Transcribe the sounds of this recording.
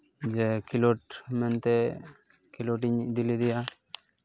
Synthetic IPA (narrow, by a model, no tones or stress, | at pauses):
d͡ʒɛkʰilɔʈmɛnt̪ɛ | kʰiloʈiɲd̪ilid̪ija